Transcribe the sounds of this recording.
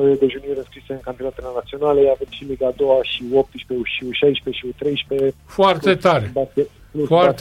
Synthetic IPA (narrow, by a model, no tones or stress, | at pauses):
ojed̪eʒuniɾɨnskɾiseɨnŋkanp̪inat̪elenat̪sio̞naleavemʃimiɡaːd̪o̞waʃiop̚t̪ɨʃpeuʃiuʃajʃpeʃiut̪ɾe̞jʃpefoart̪e̞t̪aɾebaskʲet̪ | plufoart̪